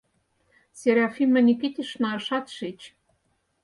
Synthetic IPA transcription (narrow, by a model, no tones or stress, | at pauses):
sʲeɾʲɑfʲimɘ̆nʲiket̪ʲeʃnɑɤ̆ʃɑt̪ʃet͡ɕ